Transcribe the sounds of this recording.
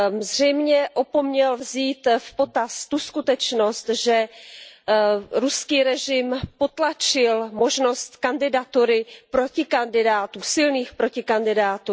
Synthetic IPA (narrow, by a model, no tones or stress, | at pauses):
zr̝ɛjmɲɛʔo̞po̞mɲɛlvziːt̪fpo̞t̪ast̪uskut̪ɛt͡ʃno̞st̪ʒɛ | ɾuskiːɾɛʒɪmpo̞t̪lat͡ʃɪlmo̞ʒno̞st̪kandɪdat̪uɾɪpɾo̞cɪkandɪdaːt̪uːsɪlniːxpɾo̞cɪkandɪdaːt̪uː